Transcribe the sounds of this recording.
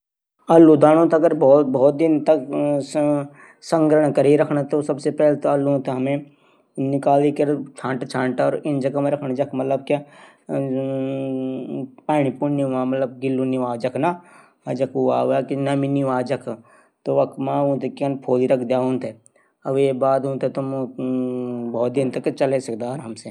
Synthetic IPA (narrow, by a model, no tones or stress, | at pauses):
ɐlːud̪aːɽ̃õt̪ɐɡəɾbɔːt̪bɔːt̪̚d̪ɪnt̪ɐk | sɐ̃ŋɡɾəɽ̃kɐɾeɾɐkʰnat̪osɐbsepɛːlet̪oɐluũt̪eɦɐmẽ | nɪkaːlikɐɾt͡ʃʰãːʈt͡ʃʰãːɳʈɔːɾɪnd͡ʒɐkameɾɐkʰnad͡ʒɐkʰmɐt̪ləb̚kja | paːɽipuniʋãːmɐt̪ləb̚ɡɪlːuniʋaːd͡ʒɐkʰna | ɐd͡ʒɐkʰuaːʋakinɐminiʋaːd͡ʒɐkʰ | t̪oʋɐkmãːũːt̪ekiɐnpʰoːd̪iɾɐkʰd̪jaːɦũːnt̪e | ɐbebaːd̪ũːt̪et̪om | bʱɔːt̪̚d̪int̪ɐkːet͡ʃɐlesɐkd̪aːɾɦɐmse